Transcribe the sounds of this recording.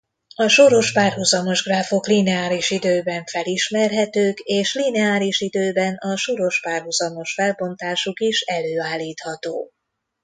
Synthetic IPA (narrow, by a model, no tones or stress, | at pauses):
ɒʃoɾo̞ʃpaːrɦuzɒmo̞ʒɡraːfo̞klinɛaːliʃid̪øːbɛɱfɛliʃmɛrɦɛt̪øːkeːʃlinɛaːliʃid̪øːbɛnɒʃoɾo̞ʃpaːrɦuzɒmo̞ʃfɛlbo̞nt̪aːʃukiʃɛløːaːlːiːt̪hɒt̪o̰ː